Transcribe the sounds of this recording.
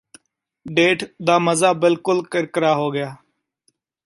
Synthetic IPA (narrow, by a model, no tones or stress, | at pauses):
ɖeːʈd̪aːməzaːbɪlkʊlkəɾkəɾaːɦoːɡɪjaː